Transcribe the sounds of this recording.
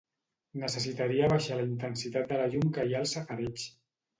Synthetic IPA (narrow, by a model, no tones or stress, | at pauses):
nəsəsit̪aɾiaβaʃaləint̪ənsit̪at̪̚d̪əlaʎumkəialˠsafaɾɛt͡ʃ